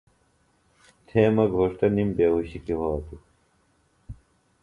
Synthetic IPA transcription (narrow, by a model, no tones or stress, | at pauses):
t̪ʰeːmɐɡʱoːʂʈɐnimbeːɦuɕikiɦoːt̪u